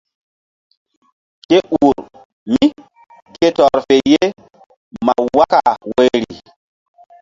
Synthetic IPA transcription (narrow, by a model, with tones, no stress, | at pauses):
ke˦ʔuː˨ɾ | mi˦ | ke˦tɔ˨ɾfe˨je˦ | ma˨wa˦ka˨we˦ɾḭ˨